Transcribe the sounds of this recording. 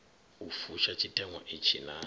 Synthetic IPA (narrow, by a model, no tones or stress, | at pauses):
ufuʃat͡ʃʰʼitʼɛŋwa̰ʔit͡ʃʰḭna